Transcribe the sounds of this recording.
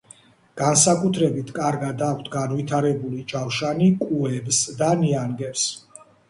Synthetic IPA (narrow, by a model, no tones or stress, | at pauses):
ɡ̥ansakʼut̪ʰɾɛbit̪ʰkʼaɾɡad̪akʰt̪ʰɡanvit̪ʰaɾɛbulid͡ʒawʃanikʼuɛbsd̪aniaŋɡɛɾs